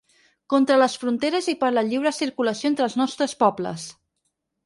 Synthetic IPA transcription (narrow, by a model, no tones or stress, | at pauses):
kɔnt̪ɾələsfɾunt̪eɾəzipəɾləʎiwɾəsiɾkuləsioent̪ɾəlˠznɔst̪ɾəspɔblə̰s